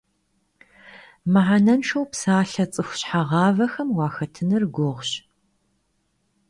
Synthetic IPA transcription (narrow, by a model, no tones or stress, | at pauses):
mɨʕanɐnʂɐwpsaːɬɐt͡sʼɨxʷɕħaʁɑːvɐxɐmwɑːxɐtʰɨnɨrɡʷʊʁɕ